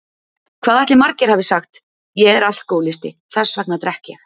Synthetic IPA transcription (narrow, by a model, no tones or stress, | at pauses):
kʰvaːðɛht̪lɪmaɾcɪɾ̥havɪsaxt̪ | jɛɛɾaθl̥koːwlɪst̪ɪ̰θḁsvak̚nat̪ɾɛhcɛx